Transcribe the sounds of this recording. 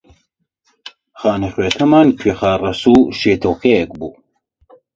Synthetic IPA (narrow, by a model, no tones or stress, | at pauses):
xaːnexekʰɐmaːnkʰɥexaːrɐsuːʃeːt̪ʰoːkʰejɛk̚buː